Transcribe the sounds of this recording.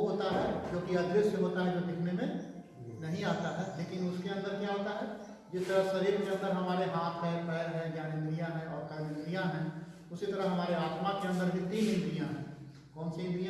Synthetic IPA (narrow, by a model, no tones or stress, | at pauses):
ɦoːt̪aɦɛd͡ʒoːkiɐd̪ɾɪsəɦoːt̪aɦɛd͡ʒod̪ekʰnemẽ | nɐɦĩaːt̪aɦɛleːkɪnʊskeɐ̃nd̪əɾkaaːt̪aɦɛ | d͡ʒɪst̪əɾəɦsɐɾiːɾkeə̃nd̪əɾɦɐmaːɾeɦaːt̪ʰɦɛ̃pɛːɾɦɛ̃d͡ʒaːnemɾijãɦɛ̃ɔːɾpɛːlẽnɾijãɦɛ̃ː | ʊsit̪əɾəɦɐmaːɾeaːt̪makeɐ̃nd̪əɾɦɪd̪inĩd̪ɾijãɦɛ̃ː | kɔːnseɪ̃d̪ɾijã